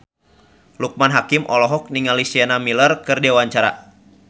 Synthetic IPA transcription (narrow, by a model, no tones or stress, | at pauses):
luk̚manɦakimʔɔlɔɦɔk̚niŋalisianamilərkɨrdewaɲt͡ʃaɾa̰